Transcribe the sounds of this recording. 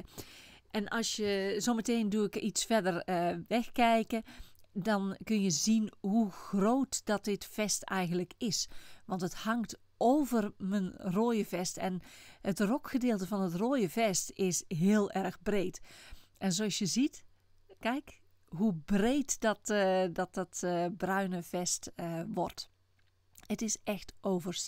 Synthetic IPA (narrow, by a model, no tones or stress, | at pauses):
ʔɛnʔɑlˠsjəzoːməteːnduɪkisfɛdərʋɛxkɛjkədɑnkɵnjəzinɦuxroːtd̥ɔt̚dɪtfɛstɛjɣən̩tləkɪsʋɑntəthɑŋt | ʔoːvərmənroːjəvɛstɛnətrɔkxədɪːlˠtəvɑnətroːjəvɛstɪsɦɪːəlˠʔɛrɣbrejtʔɛnzoɑsjəzit | kɛjk | ɦubreːtdɔtdɔt̚ɔtbrœɥnəvɛstʋɔrt | ətɪsɛxtoːvərs